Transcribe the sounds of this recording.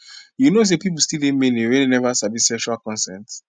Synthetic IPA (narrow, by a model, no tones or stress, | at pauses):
junos̬epip̬l̩stildẽnmẽnewẽnenɛvasavisɛkʃualkɔ̃nsɛ̃nt